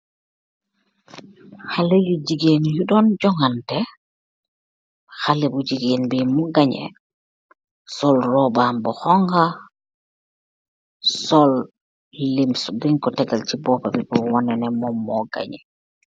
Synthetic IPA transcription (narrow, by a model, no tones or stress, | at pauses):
halejud͡ʒiɡenjuɗɔnd͡ʒɔŋantɛ | xalɛbud͡ʒiɡeːnbimɔɡaɲɛ̰ | sɔlrɔbaːmbɔhɔŋɡa | sɔlː | imsdiŋkɔtɛɡalt͡ʃibɔpabibɔwɔnɛnɛmɔmːɔɡa̰ɲɛ